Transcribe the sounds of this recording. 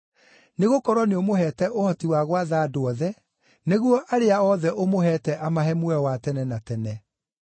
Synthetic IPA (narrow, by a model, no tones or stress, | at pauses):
neɣokɔɾwɔneomoɦɛːtɛʔohɔtiwaɣwaðaːdoɔðɛ | neɣwɔʔaɾeaɔðɛʔomoɦɛːtɛʔamaɦɛmwɛwatɛnɛnatɛnɛ